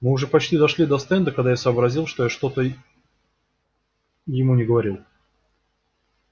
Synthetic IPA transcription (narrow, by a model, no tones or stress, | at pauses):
mɨʊʐɛpɐt͡ɕtʲid̪ɐʂlʲid̪ɐst̪ɛnd̪əkɐɡd̪ajasəːbɾɐzʲilˠʂt̪o̞jaʂt̪o̞t̪ə | jɪmunʲɪɡəvɐɾʲilˠ